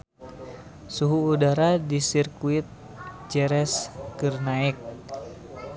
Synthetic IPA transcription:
suɦuːdaɾadisirkuit̪̚ | d͡ʒɛɾɛskɨrnaɛk̚

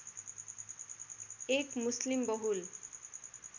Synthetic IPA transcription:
ekmuslimbʌɦul

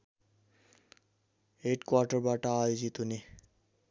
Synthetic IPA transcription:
eʈkwaʈaɹbaʈaːjozit̪uni

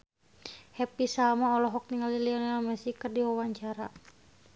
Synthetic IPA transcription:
hɛpisalmaɔlɔɦɔk̚niŋaliliɔnalmɛsikərdiwawaɲt͡ʃaɾa̰

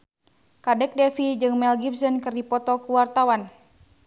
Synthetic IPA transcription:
kadɛk̚dɛfid͡ʒɨŋmɛlɡipsɔnkɨrdipɔt̪ɔkuwart̪awan

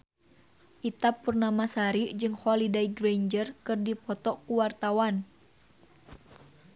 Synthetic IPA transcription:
ʔit̪apːurnamasaɾid͡ʒɨŋhɔlidejɡrejnd͡ʒərkɨrdipɔt̪ɔkuwart̪awan

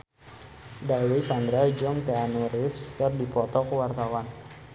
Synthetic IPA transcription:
dawisand̪ɾad͡ʒɔŋt̪eanuɾɪfskərdipɔt̪ɔkəwart̪awan

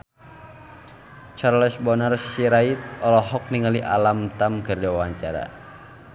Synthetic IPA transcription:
t͡ʃarlɛsbɔnarsiɾait̪̚ɔlɔɦɔk̚niŋaliʔalamt̪amkɨrdiawaɲt͡ʃaɾa̰

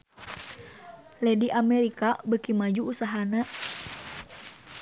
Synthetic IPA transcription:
lɛdiʔamɛɾikabəkimad͡ʒuːsaɦana

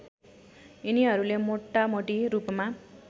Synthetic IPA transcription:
iniɦʌɾulemoʈːamoʈiɾupma

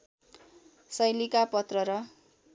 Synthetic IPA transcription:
sʌjlikapʌt̪rʌɾʌ

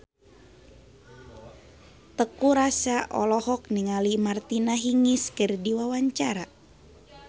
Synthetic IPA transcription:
t̪əkuɾasaʔɔ̰lɔhɔk̚niŋalimart̪inaɦiŋɪskərdiwawaɲt͡ʃaɾa

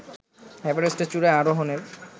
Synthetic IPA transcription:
ɛpeɾesʈet͡ɕuɾaaɾoɦoneɾ

